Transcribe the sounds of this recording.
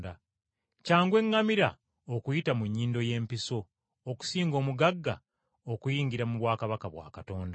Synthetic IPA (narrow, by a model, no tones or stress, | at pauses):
da | caːŋɡwe̞ŋːamiɾa̰ | okujitamuɲːiːndo̞je̞ːmpiso̞ː | ku̥siːŋɡo̞ːmuɡaɡːa̰ | okujiːŋɟiɾamuβwaːkaβakaβwa̰ːkato̞ːnda